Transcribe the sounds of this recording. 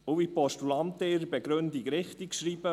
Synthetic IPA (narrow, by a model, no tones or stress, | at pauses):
ovipɔʃtulɑnt̪eɪɾbɛɡɾɵnd̪ikɾɪχt̪ikʃɾiːbə